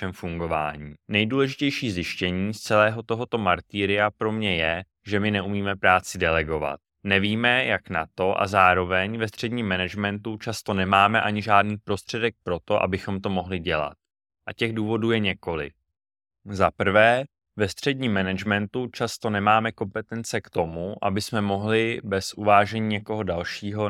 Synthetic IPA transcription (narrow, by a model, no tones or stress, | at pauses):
ɛmfuŋɡo̞va̰ːɲiːnɛjduːlɛʒɪcɛjʃiːzɪʃcɛɲiːst͡sɛlɛːɦo̞t̪o̞ɦo̞t̪o̞maɾt̪iːɾɪjapɾo̞mɲɛjɛ | ʒɛmɪnɛʔumiːmɛpɾaːt͡sɪdɛlɛɡo̞va̰t̪̚ | nɛviːmɛjaknat̪o̞ʔa̰zaːɾo̞vɛɲvɛst̪r̥ɛdɲiːmːɛnɛd͡ʒmɛnt̪ut͡ʃast̪o̞nɛmaːmɛʔaɲɪʒaːdniːpɾo̞st̪r̝̥ɛdɛk̚pɾo̞t̪o̞ʔa̰bɪxo̞mt̪o̞mo̞ɦlɪɟɛla̰t̪̚ | ʔacɛɣduːvo̞duːjɛɲɛko̞lɪ̰ | zapr̩vɛː | vɛst̪r̝̥ɛdɲiːmːɛnɛd͡ʒmɛnt̪ut͡ʃast̪o̞nɛmaːmɛko̞mpɛt̪ɛnt͡sɛkt̪o̞muʔa̰bɪsmɛmo̞ɦlɪbɛsʔuvaːʒɛɲiːɲɛko̞ɦo̞dalʃiːɦo̞